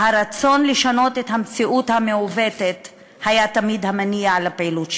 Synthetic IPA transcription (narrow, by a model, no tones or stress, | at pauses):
haʁat͡so̞nleʃano̞tethamt͡siʔuthameove̞tet | hajatamidhamanialapeilut